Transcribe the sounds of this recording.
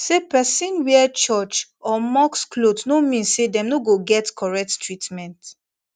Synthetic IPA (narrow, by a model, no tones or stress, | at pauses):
sepɛsĩnwɛt͡ʃɔt͡ʃɔmɔksklotnomĩnsedɛ̃mnoɡoɡɛtkʰɔɹɛk̚ttʰɹitmɛ̃nt